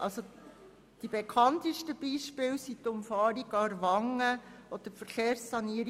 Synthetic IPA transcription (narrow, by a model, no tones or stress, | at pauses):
ʔɑ̰lso | d̥ibekʰɑnt̪iʃtəb̥iːʃpɪːwsitʊmfɑːɾiɡɑɾvɑŋːəɔd̥̪əfəɾkeːɾsːɑniəɾ